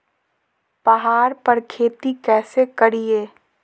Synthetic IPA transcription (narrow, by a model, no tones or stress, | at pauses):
b̥ɐɦaːɾpɐɾkʰeːt̪ikɛːsekɐɽieː